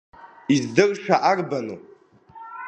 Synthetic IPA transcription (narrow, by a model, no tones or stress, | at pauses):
izdɨrʂaʔarbanu